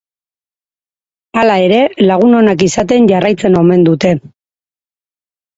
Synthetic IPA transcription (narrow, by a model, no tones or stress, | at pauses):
alae̞ɾe̞laɣ̞uno̞nakisat̪̬e̞nɟarajt͡se̞no̞me̞nd̪ut̪e̞